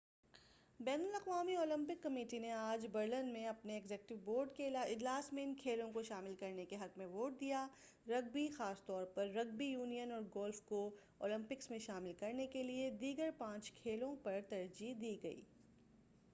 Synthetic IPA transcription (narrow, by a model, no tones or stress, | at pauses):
bɛːnʊlɐqʋaːmiɔːlɪ̃mpɪkːɐmeːʈineaːd͡ʒbɐɾlənmẽɐpneːɡzɛːk̚ʈɪʋboːɾɖkelaɪd͡ʒlaːsmẽɪnkʰeːlõkoʃaːmɪlkɐɾnekeɦɐkmẽʋoːʈ̚d̪ijaː | ɾɐɡ̚bixaːst̪ɔːɾpɐɾːɐɡ̚bijuːnijənɔːɾɡɔːlfko | ɔ̰ːlɪ̃mpɪksmẽʃaːmɪlkɐɾnekelied̪iːɡəɾpãːt͡ʃkʰeːlõpɐɾt̪ɐɾd͡ʒid̪iːɡɐḭː